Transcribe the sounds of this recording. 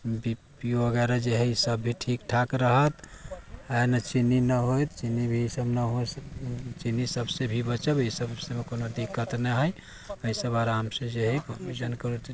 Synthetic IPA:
bipijoəɡɛɾad͡ʒeɦɛisəbːʱiʈʰikʈʰakɾəɦət̪ | anət͡ʃinːinəɦojt̪t͡ʃinːibʱisəbnəɦo | t͡ʃinːisəbsebʱibət͡ʃəbesəbsemekonod̪ikːət̪nəɦəj | əsəbaɾamsẽd͡ʒeɦɛpbid͡ʒənkəɾut̪

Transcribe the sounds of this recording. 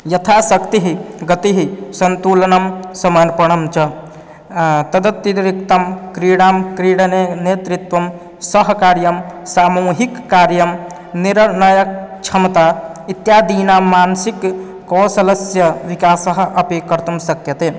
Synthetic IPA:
jɐt̪ʰasəkt̪iɦiɡət̪iɦisənt̪ulənəmsəmənpəɽ̃əmt͡ʃə | t̪ɐd̪ət̪ːiɾɾik̚t̪əmkɾiɽamkɾiɽnenet̪ɾit̪ʋəm | səɦkaɾjəmsamuɦikːaɾjəm | niɾnəjək̚t͡ʃʰəmt̪ait̪jad̪inamansikː | ɔsɐləsjəʋikasəɦʔəpekːəɾt̪umsəkjət̪e

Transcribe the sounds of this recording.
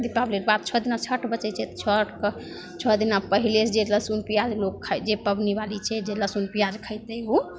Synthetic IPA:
d̪ipabliʈ̚bat̪̚t͡ʃʰɔd̪inat͡ʃʰəʈʰbət͡ʃɛt͡ʃʰɛt̪t͡ʃʰəʈkə | t͡ʃʰɔd̪inapəɦilet͡ʃʰd͡ʒeləsunpijad͡ʒlokʰːad͡ʒepəbnibalit͡ʃʰɛd͡ʒeləsunpijad͡ʒkʰəjt̪ɛu

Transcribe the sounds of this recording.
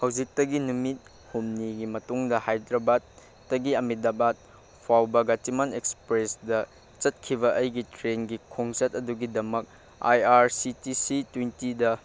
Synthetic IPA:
hɐwd͡ʒik̚tɐɡinumit̚ | humniɡimɐtuŋdɐhajdɾɐbatː | ɐɡiɐmidabat̚ | pʰawbɐɡatimanekspɾesdɐ | t͡ʃɐt̚kʰiβɐʔəjɡitɾenɡikʰoŋt͡ʃɐt̚ɐduɡidɐmɐk̚ | ajaɾsitisitwintidɐ

